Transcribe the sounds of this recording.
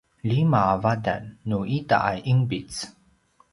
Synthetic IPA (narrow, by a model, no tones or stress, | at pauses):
limavada̰nːuʔita̰ʔajʔiŋbit͡s